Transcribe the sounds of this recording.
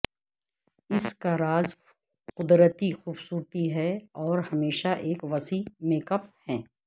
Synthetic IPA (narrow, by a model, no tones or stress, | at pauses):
ɪskaɾaːz | qʊd̪ɾət̪ixuːbsuːɾt̪iɦɛɔːɾhɐmeːʃaʔeːkʋɐsimeːkəp̚hɛ̃ː